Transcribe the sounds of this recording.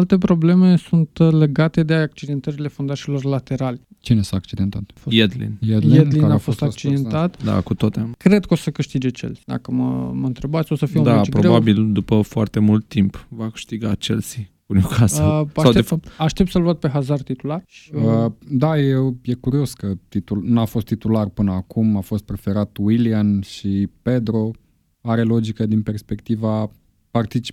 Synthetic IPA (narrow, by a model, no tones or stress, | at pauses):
alt̪e̞pɾo̞ble̞me̞sunt̪le̞ɡat̪e̞d̪eak̚t͡ʃid̪e̞nt̪əɾile̞fond̪at͡ʃilo̞rlat̪e̞ɾalʲt͡ʃinesaak̚t͡ʃid̪ent̪at̪ojed̪lḭneed̪linafo̞st̪akt͡ʃid̪ent̪at̪d̪a̰kut̪ot̪ekɾe̞d̪kəo̞səkɨʃt̪id͡ʒet͡ʃḛlsid̪a̰kəmə̰məɨnt̪ɾe̞bat̪sʲo̞səfijeud̪at͡ʃipɾobabild̪upəfoart̪e̞mult̪ːimpvakɨ̥ʃt̪iɡat͡ʃḛlsi | unokʰasəasawd̪efap̚t̪aʃt̪ep̚t̪səlvuat̪̚pe̞ɦazart̪it̪ularʃiəd̪ajewje̞kuɾio̞skət̪it̪ulnafo̞st̪ːit̪ularpɨnəakumafo̞st̪̚pɾe̞fe̞ɾat̪wilianʃipe̞d̪ɾo̞ | aɾe̞lo̞d͡ʒikəd̪inpe̞rspe̞kt̪iva | part̪it͡ʃi̥p